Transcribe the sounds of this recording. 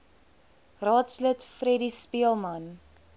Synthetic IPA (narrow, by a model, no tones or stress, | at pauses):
rɑːtslətfrɛɾispiəlˠmɐn